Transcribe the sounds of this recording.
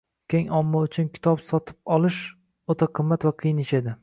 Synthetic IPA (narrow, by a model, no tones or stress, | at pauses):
kʲʰeŋɒmːɒʊt͡ʃʰʊnkʲʰɪ̥t̪ʰɒpsɒt̪ʰɪ̥p̚ɒlˠɪʃ | ot̪ʰaqʰɨmːat̪vaqʰɨjɪneʃed̪ɪ